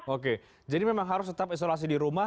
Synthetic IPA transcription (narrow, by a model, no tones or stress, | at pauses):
ok̬e | d͡ʒadimemaŋɦaɾʊst̪ət̪apis̬olas̬idiɾuma